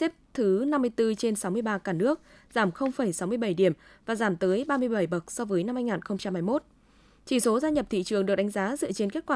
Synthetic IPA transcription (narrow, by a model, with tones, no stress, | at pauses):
tɛ˦˥p̚t̪ʰɨ˨˦na˧mːɨ˧əjt̪ɨ˧t͡ɕe˧nsa˨˦wmɨ˧əjɓaː˧kaː˧˩nɨ˦˥ək̚ | zaː˧˩mxə˧wŋ͡mfə˧˩jsa˨˦wmɨ˧əjɓə˧˩jɗi˧˩əmvaː˨˩zaː˧˩mt̪əː˨˦jɓaː˧mɨ˧əjɓə˧˩jɓə˨˩k̚sɔ˧vəː˨˦jna˧mhaː˧jŋaː˨˩nxə˧wŋ͡mt͡ɕa˧mhaː˧jmo˦˥t̚ | t͡ɕi˧˩so˨˦zaː˧ɲə˨˩p̚t̪ʰḭ˧˨t͡ɕɨ˨˩əŋɗɨ˨˩ək̚ɗa˨˦ŋ̟zaː˨˦zɨ̰˧˨ət͡ɕe˧nke˦˥t̚kwaː˧